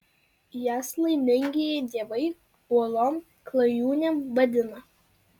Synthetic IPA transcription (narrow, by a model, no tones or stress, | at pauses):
jæːslˠɐɪmʲɪŋʲɡʲeːjɛɪd̪ʲiɛʋɐɪ | uɔlˠoːm | klˠɐjuːnʲɛmbɐd̪ʲɪnɐ